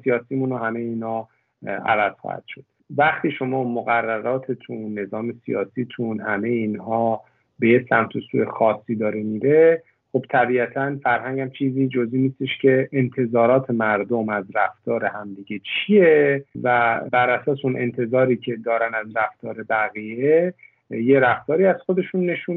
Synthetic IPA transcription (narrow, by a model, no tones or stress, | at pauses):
sijɒːsiːmunohæme̞jeiːnhɒː | æ̰væz̥xɒ̰hæ̰d̪̥ʃo̞d̪̥væχt̪ʰiːʃo̞mɒːmoɣærːæɾɒːt̪ʰet̪ʰunːe̞zɒːme̞sijɒ̰ːsiːt̪ʰunhæme̞jeinhɒː | be̞jesæmt̪ʰosṵexɒːsːiːd̪ɒːɾemiːɾe̞ | xo̞b̥t̪ʰæbiːæt̪ʰænfæɾhæɲɟæmt͡ʃʰiːziːd͡ʒoziːniːst̪eʃcʰe̞ːnt̪ʰe̞zɒːɾɒːt̪ʰe̞mæɾd̪omæzɾæft̪ɒːɾe̞hæmd̪iɟe̞t͡ʃʰijevæbæɾæsɒːs̬eunʔe̞̰nt̪ʰe̞zɒːɾiːcʰe̞d̪ɒːɾænæzɾæft̪ɒːɾe̞bæɣie | jeɾæft̪ɒːɾiːæz̥xo̞d̪e̞ʃunːe̞ʃun